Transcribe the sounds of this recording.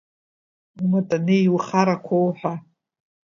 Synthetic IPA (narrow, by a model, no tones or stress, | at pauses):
umatʼanejwχaɾakʷʰowħʷᶣa